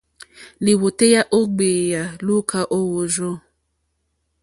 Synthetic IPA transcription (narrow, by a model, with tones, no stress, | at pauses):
li˨wo˨te˦ja˦ʔo˦ɡ͡be˨ja˨lu˦kʰa˨ʔo˦wo˨ʒo˦